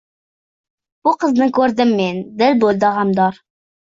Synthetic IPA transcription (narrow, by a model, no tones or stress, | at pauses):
b̥uqʰəznɨkʲʰɵɾd̪ɪmːend̪ɪlbolˠd̪əʁɑmd̪ɑɾ